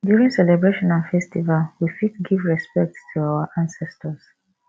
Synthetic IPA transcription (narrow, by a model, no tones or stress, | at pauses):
djuɹĩŋsɛlɛbɹeʃɔ̃nãnfɛstivalwifitɡivɹɛspɛk̚ttʰuawəʔãnsɛstʰəs